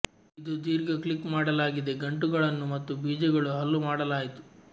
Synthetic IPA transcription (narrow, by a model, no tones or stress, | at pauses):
id̪ud̪iːɾɡɐkɭikːmaːɽɐlaːɡid̪e̞ɡɐɳʈuɡɐɭɐnːumɐt̪ːubʱiːd͡ʒɐɡɐɭuɦɐlːumaːɽɐlaːjit̪u̥